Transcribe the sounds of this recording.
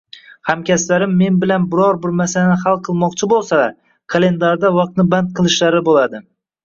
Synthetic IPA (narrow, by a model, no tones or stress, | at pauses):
hamkʲaslaɾɪmːe̞nbɪlanbɪɾɒɾbɪɾmasalanɪhalˠqʰɨlˠmɒqt͡ʃʰɪbolˠsalaɾ | kʰalˠe̞nd̪aɾd̪avɑq̚t̪̚nɪbant̪̚qʰɨlˠɪʃlaɾɪbolad̪ɪ